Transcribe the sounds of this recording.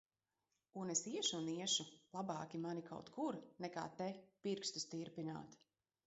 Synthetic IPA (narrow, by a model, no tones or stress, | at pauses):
unesiɛʃuniɛʃulˠabaːkʲimanikʰa̰wt̪kuɾnɛka̰ːt̪ɛpiɾkst̪ust̪iɾpina̰ːt̪